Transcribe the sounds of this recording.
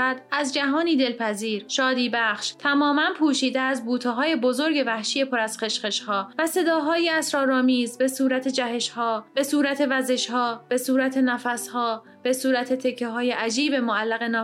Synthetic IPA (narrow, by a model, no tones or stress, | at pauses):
æd̪æzd͡ʒæɦɒːniːd̪e̞lpʰæziːɾʃɒːd̪iːbæχʃt̪ʰæmɒːmænpʰuːʃiːd̪eæzbuːt̪ʰeɦɒːje̞bozoɾɟe̞væhʃije̞pʰoɾæz̥χe̞ʃχe̞ʃhɒːvæse̞d̪ɒːɦɒːjeæsɾɒːɾɒːmiːzbe̞suːɾæt̪ʰe̞d͡ʒæhe̞ʃhɒːb̥e̞suːɾæt̪ʰe̞væze̞ʃhɒːb̥e̞suːɾæt̪ʰe̞næfæshɒː | b̥e̞suːɾæt̪ʰe̞t̪ʰecʰːeɦɒːjeʔæd͡ʒiːbemoælːæɣe̞nɒː